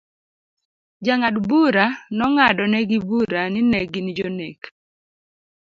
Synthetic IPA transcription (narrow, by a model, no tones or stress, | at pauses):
d͡ʒaŋadbuɾanɔŋadɔnɛɡibuɾanɪnɛɡind͡ʒonek